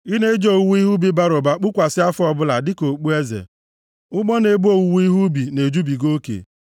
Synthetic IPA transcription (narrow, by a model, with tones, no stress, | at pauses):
i˦ne˦d͡ʒo˨wu˦i˦ɦu˦bi˨˦ba˦ɾo˨ba˨k͡pu˦kʷa˨sɪ˦a˦fʊ˦ɔ˨bʊ˦la˨dɪ˦ko˨k͡pu˦e˦zḛ˨ | ʊ˦ɡ͡bɔ˦ne˨bu˦o˨˦wu˦i˦ɦu˦bi˨ne˨d͡ʒu˦bi˨ɡo˦kḛ˨